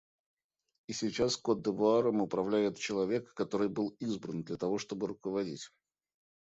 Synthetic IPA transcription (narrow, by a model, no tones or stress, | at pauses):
isʲɪt͡ɕaskod̪ːəvʊaɾəmʊpɾɐvlʲæjɪt̪t͡ɕɪlˠɐvʲe̞kːɐt̪o̞ɾɨjbɨlˠizbɾənd̪lʲət̪ɐvo̞ʂt̪o̞bɨɾʊkəvɐdʲḭtʲ